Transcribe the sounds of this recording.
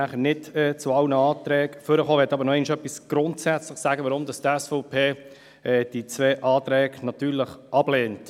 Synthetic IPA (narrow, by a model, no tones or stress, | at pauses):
æχənɪdɛːt͡sʊɑlnəɑːtɾɛːɡføɾəχoːʋɛtːɑːbəɾnɔɛɪnɪʃœpːisɡ̥ɾʊntsæt͡slɪχsæːɡəʋəɾʊmdɑstɛsfɔʊpʰeː | ɛd̥it͡svɛːʔɑːtɾɛːɡnɑt̪yːɾləχʔɑbleːnt